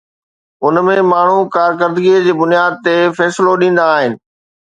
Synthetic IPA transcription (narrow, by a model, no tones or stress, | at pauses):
ʊnmẽmaːɳ̤ukaːɾkəɾd̪ɡied͡ʑeːbʊnijaːd̪̚t̪efɛːsloɗĩːn̆d̪aːɦɪnɪ̆